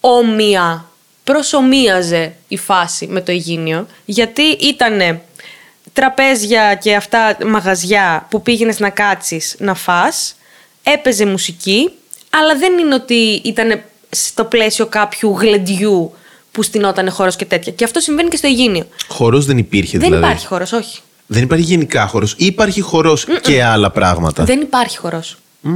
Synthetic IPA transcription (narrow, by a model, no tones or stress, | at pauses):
o̞miɐ | pɾo̞so̞miɐze̞ifɐsime̞t̪o̞iʝinio̞ | ʝɐt̪iʔit̪ɐne̞ | t̪ɾɐpe̞zʝɐce̞ɐft̪ɐmɐɣɐzʝɐpupiʝe̞ne̞znɐkɐt͡sisnɐfɐs | e̞pe̞ze̞musici | ɐlɐðe̞nine̞o̞t̪iit̪ɐne̞ | st̪o̞ple̞sio̞kɐpçuɣle̞nd̪ʝu | pust̪ino̞t̪ɐne̞xo̞ɾo̞sce̞t̪e̞t̪çɐceɐft̪o̞sĩɱve̞nice̞st̪o̞iʝinio̞xo̞ɾo̞zðenipiɾçeðiðelɐiɐ̰ðipɐɾçi̥xo̞ɾo̞so̞çi̥ | ðenipɐɾçiʝe̞nikɐxo̞ɾo̞siːpɐɾçixo̞ɾo̞sceɐlɐpɾɐ̰ɣmɐ̰t̪ɐ̰ðe̞nipɐɾçi̥xo̞ɾo̞s